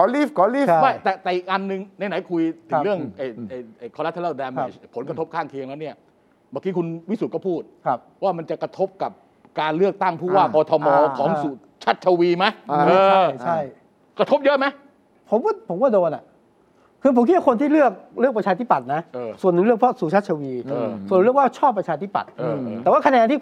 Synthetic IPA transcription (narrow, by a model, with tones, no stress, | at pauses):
kɔ˨˦li˦˥˩fkɔ˨˦li˦˥˩ma˥˩t̪ɛː˨˩t̪ɛː˨˩ʔi˨˩k̚ʔa˧nːɯ˨˧ŋna˧jna˨˦jkʰu˧jt̪ʰɯ˨˧˦ɾɯ˥˩əŋʔa˧˩jʔa˧˩jʔa˨˩jkʰɔ˧la˦˥t̪ʰːaː˥˩dɛː˧ma˩jpʰo˩˦nkɾa˧t̪ʰp̚kʰaː˥˩ŋkʰi˧ə˧ŋna˦˥ni˥˩ɐə | baː˨˩ki˦˥kʰu˧nwi˦˥su˨˩kɔ˥˩pʰuː˥˩t̪̚ʰ | waː˥˩ma˧nt͡ɕa˨˩kɾa˧t̪ʰo˦˥p̚ka˨˩p̚ | kaː˧nlɯ˥˩ək̚t̪a˥˩ŋpʰuː˥˩waː˥˩kɔː˧t̪ʰɔ˧mɔː˧kʰɔː˨˩˦ŋsu˨˩t̪̚ | t͡ɕʰa˦˥t̪̚t͡ɕʰa˧wiː˧ma˦˥jɤː˧a˥jt͡ɕʰa˥˩j | kɾa˧t̪ʰo˦˥p̚jɤ˦˥ʔma˦˥j | pʰo˩˦mkaː˥˩pʰo˨˩˦mkaː˥˩doː˧nʔa̰˨˩ | kʰɯː˧pʰo˨˦mki˦˥wa˥˧kʰnt̪ʰiː˥˩lɯ˥˩ək̚ɾɯ˥˩k̚pɾa˧t͡ɕʰaː˧i˥˩pa˨˩t̪̚na˦˥ʔːsu˨˩ənːɯ˨˦lɯ˥˩əkpʰɾɔ˦˥suː˨˩t͡ɕʰa˦˥t̪̚t͡ɕʰa˧wiː˧su˨˩ən˧˦ɾɯ˥˩əkwaː˥˩t͡ɕʰɔː˥˩pːɾa˧t͡ɕʰaː˧t̪ʰi˦˥˩pa̰˨˩t̪̚ʔɤː˧ɛː˨˩waː˥˩kʰa˧nɛː˧nt̪iː˥˩